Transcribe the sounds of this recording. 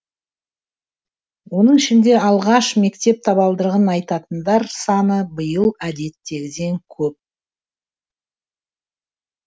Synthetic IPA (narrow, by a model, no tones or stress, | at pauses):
wo̞nəɴɪʃɪnd̪e̞ɑlˠʁɑʃme̞kt̪e̞p̚t̪ʰɑβɑlˠd̪əɾʁənɑjt̪ɑt̪ənd̪ɑɾsɑnəbəjəlˠæd̪e̞t̪ːe̞ɡʲɪd̪e̞ŋkʲʰɵp̚